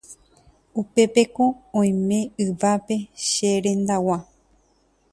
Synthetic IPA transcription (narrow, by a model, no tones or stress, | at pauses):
upe̞pe̞kõ̞õj̃mẽ̞ɨʋape̞ʃeɾẽ̞nd̪awa